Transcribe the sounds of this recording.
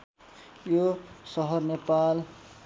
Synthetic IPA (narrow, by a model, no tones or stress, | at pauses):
josʌɦʌrnepal